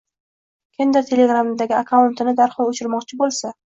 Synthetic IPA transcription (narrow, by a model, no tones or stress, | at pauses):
kʲʰɪmd̪ɪɾt̪ʰe̞le̞ɡɾamd̪aɡʲɪakʰawʊnt̪ɪnɪd̪aɾhɒlˠʊt͡ʃʰɪɾmɒqt͡ʃʰɪbolˠsa